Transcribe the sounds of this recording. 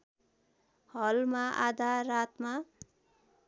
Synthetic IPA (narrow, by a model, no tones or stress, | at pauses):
hʌlmaʔa̰d̪ʱarat̪ma